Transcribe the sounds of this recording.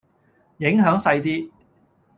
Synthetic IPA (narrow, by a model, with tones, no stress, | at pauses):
jɪ˨˥ŋɦœː˨˥ŋsɐ˧jt̪iː˥